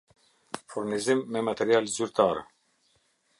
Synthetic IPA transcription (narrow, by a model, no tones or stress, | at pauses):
fuɾnizimːɛmat̪ɛɾialzyɾt̪ʰaɾɛ